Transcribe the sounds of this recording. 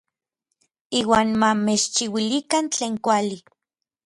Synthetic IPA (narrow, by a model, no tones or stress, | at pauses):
iːwaːnmamet͡ʃt͡ʃiwilikant͡ɬeːŋkʷali